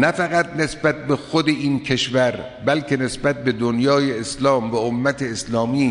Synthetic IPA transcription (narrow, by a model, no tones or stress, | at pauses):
næfæɣæt̪̚ne̞sbæt̪̚bexod̪eʔiːnkʰeʃvæɾ | bælcʰe̞ne̞sbæt̪̚be̞d̪onjɒːjeːslɒːmvæomːæt̪ʰeːslɒːmiː